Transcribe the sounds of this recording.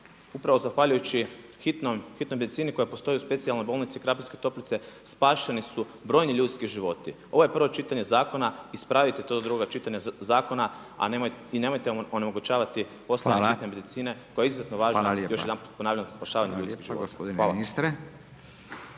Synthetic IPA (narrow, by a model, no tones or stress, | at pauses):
upɾaʋo̞zaxʋaʎujut͡ʃixit̪nomxit̪nojmed̪it̪siːniko̞jepo̞st̪o̞juspe̞t̪sialnojbo̞ːlˠnit̪siikɾapinske̞t̪o̞plit̪se̞spaːʃenisu | bɾo̞ːjniʎuːt̪skiʒiʋo̞t̪i | o̞ʋo̞je̞pr̩ʋo̞t͡ʃit̪aɲe̞zaːko̞naispɾaʋit̪et̪od̪od̪ɾuɡoɡat͡ʃit̪aɲazaːko̞na | a̰neine̞mo̞jt̪eonemo̞ɡut͡ʃaːʋat̪i | po̞slaɲexit̪ne̞me̞d̪it̪siːne̞ko̞jeizuze̞t̪noʋaːʒnajo̞ʃjd̪anmput̪̚ponaːʋʎanzaspaʃaːʋaɲeʎut̪kiɣʒio̰dnaist̪ɾe